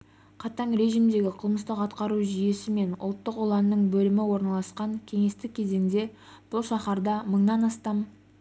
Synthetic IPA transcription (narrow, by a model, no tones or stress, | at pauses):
qʰɑt̪ɑɴɾe̞ʒimd̪e̞ɡʲɪqʰəlˠməst̪əqɑt̪qɑɾuʒije̞sɪme̞nʊ̰lˠt̪ːəqolˠɑnːəɴbɵlɪmɪwo̞ɾnɑlˠɑsqɑŋkʲʰe̞ŋe̞st̪ɪkʲʰːe̞ze̞ŋd̪e̞b̥ʊlˠʃɑχɑɾd̪ɑməɴnɑnɑst̪ɑm